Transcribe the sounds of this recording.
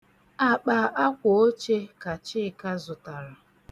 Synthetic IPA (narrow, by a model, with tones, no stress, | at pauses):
a˨k͡pa˨ʔa˦kʷʊ˨o˦t͡ʃe˦ka˨t͡ʃɪ˦˨ka˦zʊ˨ta˨ɾa˨